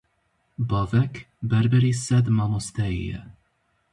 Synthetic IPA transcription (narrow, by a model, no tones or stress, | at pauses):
bɔvɛk | bɛɾbɛɾisɛd̪mɔmɔst̪ɛɛ̰